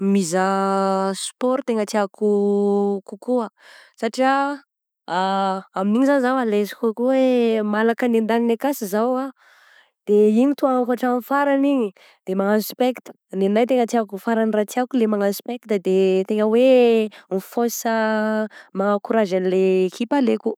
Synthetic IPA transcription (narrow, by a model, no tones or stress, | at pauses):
mizə | spɔɾt̪eŋət͡s̪iaku | kukuasaʈ͡ʂia | aaminiɲizanzawalezi̥kukuwemalakənend̪aninakasizawa | d̪̥eiɲit̪uaŋakaʈ͡ʂanfaɾaniɲi | d̪̥emaŋanspekt̪ | nenajt̪eŋət͡s̪iakufaɾanirat͡siakulemaŋanspekt̪d̪et̪eŋəwenifosə | maŋakuɾaʒanilekʰipaleku